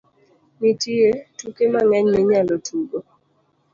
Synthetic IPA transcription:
mitietukemaŋɛɲmɪɲalɔtʰuɡo

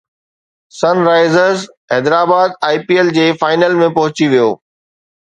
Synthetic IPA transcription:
sɐnɾaːɪzəɾz | ɦɛːd̪ɾaːbaːd̪aːɪpiːeld͡ʑeːfaːɪnəlmẽpɐɦʊt͡ɕiʋijoː

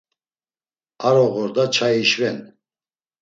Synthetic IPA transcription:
aɾɔɣɔɾd̪at͡ʃʰaiʃvɛn

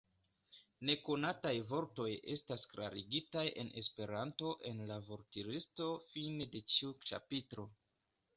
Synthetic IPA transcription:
ne̞konatajvo̞ɾto̞je̞̰staskla̰ɾiɡitajʔe̞̰nʔe̞̰spe̞ɾanto̞ʔe̞nlavo̞ɾtiɾisto̞fine̞de̞t͡ʃiut͡ʃa̰pitɾo̞

